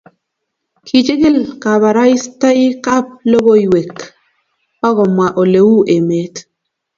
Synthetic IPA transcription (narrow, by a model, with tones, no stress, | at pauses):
kʰi˨t͡ʃe˦ɡe˦˨lka˨βa˨ɾa˦i˦sta˦i˦ka˦p̚lo˦bo˦i˨we˨k | ɔ˦ɣɔ˨mwa˨ʔo˨le˨wu˦ʔe˨me˨˦t